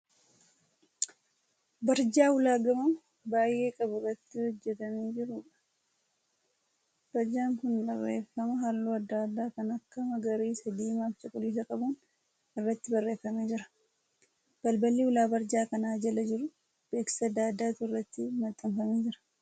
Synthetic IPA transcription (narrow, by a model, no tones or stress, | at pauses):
bɐɾd͡ʒaːwʊlaːɡɐmɐn | baːjʔːe̞ːkʼɐbʊrɐt̪ːɪhɔd͡ʒːɛt̪ɐmeːd͡ʒɪɾʊᶑɐ̥ | b̥ɐɾd͡ʒaːŋkʊnbɐrːḛːfɐmɐɦalːuːɐd̪ːaːd̪ːaːkɐnɐkːɐmɐɡɐɾiːsɐd̪iːmaːft͡ʃʼɐkʼʊliːs̬ɐkʼɐbʊn | ɪrːɐt̪ːɪbɐrːe̞ːfɐmeːd͡ʒɪɾɐ̥ | b̥ɐlbɐliːwʊlaːbɐɾd͡ʒaːkɐnaːd͡ʒɐlɐd͡ʒɪɾʊ | b̥e̞ːksɐd̪ːaːd̪ːaːt̪ʊrːɐt̪ːɪmɐt̪ʼːɐmfɐmeːd͡ʒɪɾɐ̥